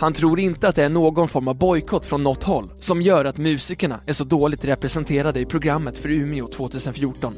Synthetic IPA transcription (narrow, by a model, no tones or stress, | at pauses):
hant̪ʰɾuːɾɪnt̪əat̪̚d̪ɛæɳoːɡɔnfɔɾmavbɔjkʰɔt̪fɾɔnːɔt̪ːhɔlːsɔmjœːɾat̪mʉ̟ːsɪkəɳa̰æʂɔd̪oːlɪɡ̚t̪ɾɛpɾɛsɛnt̪ʰeːɾad̪əɪpʰɾʊɡɾamːət̪fœɾʉ̟ːnɪʊt̪ʰvoːt̪ʰʉ̟ːsənfjuːʈɔn